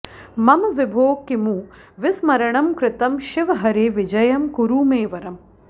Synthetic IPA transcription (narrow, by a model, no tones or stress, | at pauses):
mɐmʋɪbʱoːkːimuː | ʋɪsmɐɾɐɳɐmkɾɪt̪ɐmʃɪʋɐɦɐɾeːʋɪd͡ʒɐjɐmkuɾuːmeːʋɐɾɐm